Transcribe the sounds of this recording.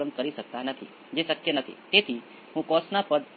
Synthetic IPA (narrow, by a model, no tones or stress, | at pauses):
ənkəɾisək̚t̪anət̪ʰḭ | d͡ʒesəkjənət̪ʰḭt̪et̪ʰi | ɦũkɔsnapəd̪